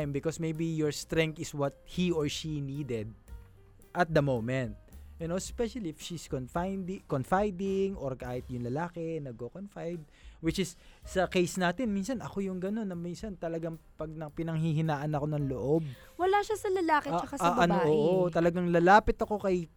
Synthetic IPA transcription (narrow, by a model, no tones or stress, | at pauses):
jmbɪkosmejbijoɹst̪ɾɛ̃ŋk̚t̪ɪswɐt̪̚hioɹʃiniːd̪ɛd̪̚ | ʔɐt̪̚d̪ɐmowmɛnt̪̚ʔɛnospɛʃɐliɪfʃiskonfajnd̪konfajd̪ɪŋʔoɹkaːhɪt̪̚jʊŋlɐlaːkɛnɐɡ̚kokonfajd̪̚wɪt͡ʃɪsːɐkejsnaːt̪ɛnminsɐnɐko̞jʊŋɡɐno̞nːɐminsɐnt̪ɐlɐɡaŋpɐɡ̚nɐpɪnɐŋhiɦɪnaːʔɐnɐko̞nɐŋloʔo̞b̚ | wɐlaːʃasɐlɐlaːket͡ʃɐkasɐʔɐnoʔoːʔot̪ɐlɐɡaŋlɐlaːpɪt̪ɐko̞kɐj